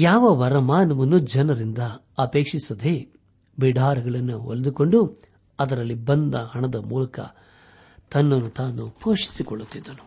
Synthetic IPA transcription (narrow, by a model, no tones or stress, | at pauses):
jaːʋɐʋɐɾɐmaːnɐmɐnːud͡ʒɐnɐɾind̪ɐː | pe̞ːkʂisɐd̪e | biɖʱaːɾɐɡɐɭɐnːuo̰lɐd̪uko̞ɳɖu | ɐd̪ɐɾɐlːibɐnd̪ɐhɐɳɐd̪ɐmuːlɐkɐ̰ | t̪ɐnːɐnːut̪aːnupʰoːʂi̥sikoɭːut̪ːid̪ːɐnu